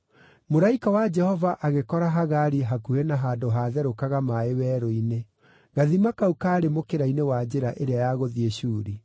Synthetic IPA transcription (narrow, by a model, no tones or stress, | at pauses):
moɾaikawad͡ʒɛhɔvaʔaɣekɔɾaɦaɣaɾiɦakuenaɦaːdoɦaːðɛɾokaɣamaewɛːɾoine | ɣaðimakaukaːɾemokeɾainewad͡ʒeɾaʔeɾeajaɣoðieɕuːɾi